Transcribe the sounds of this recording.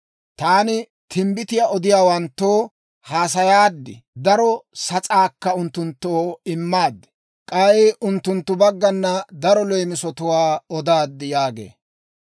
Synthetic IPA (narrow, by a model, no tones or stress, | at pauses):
t̪aːnɪ | t̪ʰɪmbɪt̪ɪjaɔd̪ɪjaːwɐnt̪ːoː | haːs̬ɐjaːd̪ːɪ̰d̪ɐɾɔsɐt͡sʼaːkːɐʊnt̪ːʊnt̪ːoːɪmːaːd̪ːɪ̥ | kʼɐɪʔʊnt̪ːʊnt̪ːʊbɐɡːɐnːɐd̪ɐɾɔlɔjmɪsɔt̪ʊwaːɔd̪aːd̪ːɪjaːɡḛː